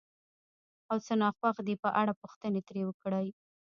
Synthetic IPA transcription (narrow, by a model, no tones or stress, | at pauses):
awt͡sənɑxwaxd̪epəʔaɽapuxt̪ənet̪ɾewəkɽəj